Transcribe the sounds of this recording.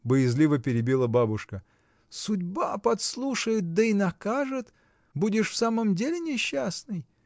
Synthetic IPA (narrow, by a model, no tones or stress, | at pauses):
bəjɪzlʲivəpʲɪɾʲɪbʲilˠəbabʊʂkə | sʊdʲbapɐt̪slˠuʂəjʊt̪̚d̪əinɐkaʐɨt̪ | budʲɪʂfsaməmdʲelʲɪnʲɪɕːasnɨj